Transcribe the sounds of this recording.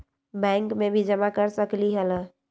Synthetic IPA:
bɛ̃ːŋkmẽbʱid͡ʒəmakəɾsəkliɦɛla

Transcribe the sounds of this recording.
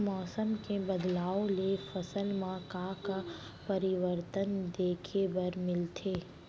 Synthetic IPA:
mɔːsəmkebɐd̪laːõlefɐsəlmãkãka | pɐɾɪʋəɾt̪ənd̪eːkʰebɐɾmɪlt̪ʰeː

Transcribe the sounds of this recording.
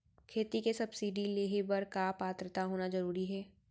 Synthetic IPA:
kʰeːt̪ikesɐbsiːɖileːɦebɐɾkapaːt̪ɾət̪aɦoːnazɐɾuːɾiɦɛː

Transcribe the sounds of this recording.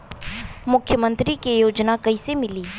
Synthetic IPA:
mʊkʰːjəmə̃nt̪ɾikejoːd͡ʒnakəisemɪliː

